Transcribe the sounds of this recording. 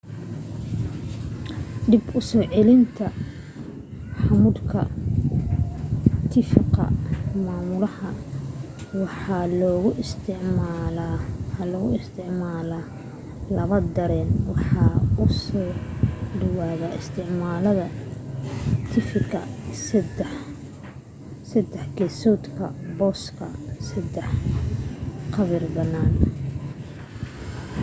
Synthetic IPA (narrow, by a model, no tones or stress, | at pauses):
ɖɪbʊsɔːʕɛlɪnt̪ʰɐ | ħɑmʊd̪kʰɐ̰ | t̪ʰɪfɪqɐ̰maːmʊlɐhɐ | wɑħɑlɔːɣʊst̪ʰɪʕmalwħɑlɔɣʊɪst̪ʰɪʕmaːlaː | lɐβɐd̪ɐɾɛːnwɑħɑːʊsɔːɖɐwaːɣaɪst̪ʰɪʕmaːlɐðɐ | t̪ʰɪfɪkɐ̰sd̪ɛ | sɐd̪ɛħɡɛsɔːt̪kʰɐ̰bɔːskʰɐsɐd̪ɛħ | qɑβɪrbɐnːaːn